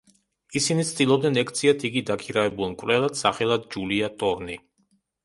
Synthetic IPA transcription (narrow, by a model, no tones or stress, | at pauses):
isinit̪sʰt̪ʼilˠɔb̚d̪ɛnɛk̚ʰt̪sʰiat̪ʰiɡid̪akʰiɾavɛbulˠmkʼvɾɛlˠad̪̥saχɛlˠad̪̚d͡ʒuliat̪ʼɔɾni